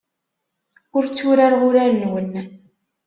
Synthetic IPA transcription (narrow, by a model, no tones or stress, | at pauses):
ʊɾt͡sːuɾaɾʊɾaɾənwənː